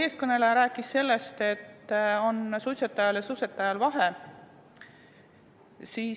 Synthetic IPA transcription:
e̞ːskɤne̞leɾæːkˑːisse̞lːe̞st̪e̞t̪ːo̞nsuset̪ːˑɑjɑljɑsuset̪ːˑɑjɑlvɑɦe̞ | siː

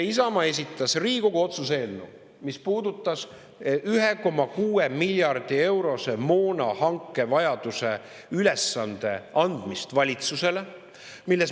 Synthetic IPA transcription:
isɑmɑe̞s̬ʲit̪ːˑɑsriːɡ̥oɡ̥uo̞t̪sus̬enːṵ | mispuːd̪ut̪ːˑɑs | yɦeko̞mɑkuːemilʲjɑrd̪̥ie̞wɾo̞se̞mo̞ːnɑhɑŋkːe̞vɑjɑd̪̥use̞ | ylesːɑnd̪̥e̞̰ɑnd̪̥mist̪vɑlʲit̪suse̞le | milːes

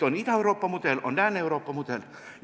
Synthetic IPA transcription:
onit̪æewroːpːɑmud̪elo̰nd̪æneuroːpːɑmut̪el | j

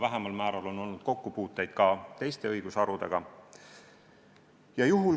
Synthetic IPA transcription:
væɦemɑlmæːɾɑlo̞no̞lnud̪̥ko̞kːupuːt̪ˑːe̞jd̪̥kɑt̪e̞jst̪e̞ɤjɡ̥usɑɾud̪̥e̞̰ɡ̥ɑ | jɑjuɦul

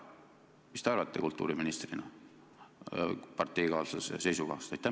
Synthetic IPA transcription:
mist̪eɑrvɑt̪ːˑe̞kult̪ːˑṵːɾiminist̪rinɑ̰ | pɑrt̪ːˑe̞jkɑːlsɑsḛse̞jsukɑ̰hsojt̪ːæ

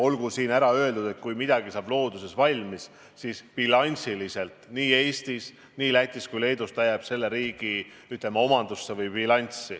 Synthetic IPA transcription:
o̞lɡ̥usiːnæɾɑø̞e̞ld̪ud̪e̞t̪̚kujmid̪̥ɑɡ̥isɑːblo̞ːd̪̥use̞svɑlʲmis | siːspilɑnʲsilise̞lt̪niːe̞ːst̪is | niːlæht̪iskujle̞ːd̪ust̪ɑjɑb̥se̞lːe̞ɾiːɡ̥i | yt̪ːˑemɑo̞mɑnd̪̥usːe̞vɯjbilɑnʲt̪sːi

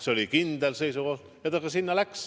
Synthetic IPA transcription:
seolʲikind̪̥else̞jsuko̞hd̪̥jɑt̪ɑkɑsinːɑlæks

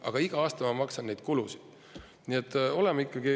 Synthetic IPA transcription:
ʔɑ̰ɡ̥ɑiɡ̥ɑɑːst̪ɑmɑmɑksɑnne̞jd̪̥̚kulusi̥d̪̥ | niet̪ːˑo̞lɛmɑikːɑɡi

